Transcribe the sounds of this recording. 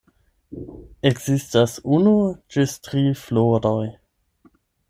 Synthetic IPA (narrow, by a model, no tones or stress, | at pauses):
eɡz̥istasunut͡ʃestɾiːfloɾoj